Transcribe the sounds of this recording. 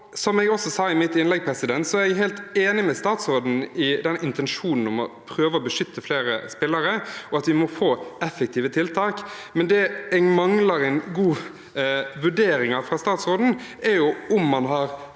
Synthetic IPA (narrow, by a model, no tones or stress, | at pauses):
sɔmɛɡɔsɔsɑːɪmɪt̪ɪnlɛɡ̚pʰɾɛsɪd̪ɛnt̪sɔæɾɛɡɦɛɪlt̪eːnɪmɛst̪ɑːt̪sɾoːd̪n̩ɪd̪ɛnʔɪnt̪ɛnʂuːnn̩ɔmɔ̰pʰɾøːʋəɔbəʂʏt̪ʰːəfleːɾə̰spɪlːəɾəɔɑt̪ʋɪmɔfoːɛfːɛkt̪ʰiːʋət̪ʰɪlt̪ʰɑːkmɛnd̪ɛɛɡmɑŋlɑɾɛnɡuː | ʋʉɖeːɾɪŋɑfɾɑst̪ɑːt̪sɾoːd̪n̩ɛɾjʊʊmːɑnɦɑɾ